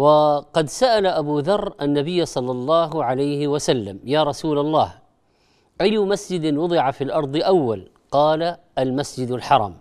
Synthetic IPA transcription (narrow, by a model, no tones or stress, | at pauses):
wɑqɑd̪saʔalaʔabuðɑrˤːʔanːabɪjːasˤɑlːɑlˤːɑːɦʕalajhɪwasalːamjaːɾˤɑsuːlalˤːɑːh | ʔajːʊmasd͡ʒɪd̪ɪnwʊd̪ˤɪʕafilʔɑɾˤd̪ˤɨʔawːal | qɑːla | ʔalmasd͡ʒɪd̪alħɑɾˤɑ̰m